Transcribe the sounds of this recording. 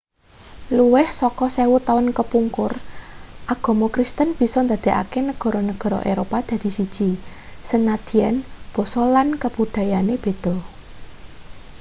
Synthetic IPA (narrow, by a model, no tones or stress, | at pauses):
luwɪhsɔkɔsewut̪awənkəpuŋkʊrʔaɡ̥ɔ̤mokɾist̪ənb̥i̤sɔnd̪a̤d̪̥e̤ʔa̰kenəɡ̥ɔ̤ɾɔnəɡ̥ɔ̤ɾɔ̰ʔeɾopad̪̥a̤d̪̥i̤sid̥ʒ̥i̤ | sənad̪̥i̤anb̥ɔ̤sɔlankəb̥ud̪̥ä̤janeb̥e̤d̪̥ɔ̤